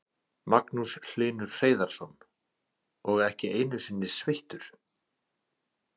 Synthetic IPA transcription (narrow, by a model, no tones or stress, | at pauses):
maknusl̥ɪːnʏɾ̥r̥eːjðaɾ̥sɔn | ɔɣɛhcɪʔeːjnʏsɪnːɪ̥svejht̪ʏɾ̥